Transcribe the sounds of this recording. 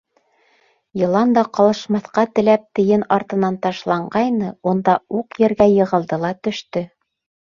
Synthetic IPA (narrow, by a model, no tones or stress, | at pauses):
jɤ̆lˠɑnd̪ɑqɑlˠɤ̆ʃmɑθqɑt̪ɘ̆læp̚t̪ɘ̆jɘnɑɾt̪ɤ̆nɑnt̪ɑʃlˠɑɴɢɑjnɤund̪ɑuqjɘ̆ɾɡæjɤ̆ʁɤ̆lˠd̪ɤlˠɑt̪ɵ̆ʃt̪ɵ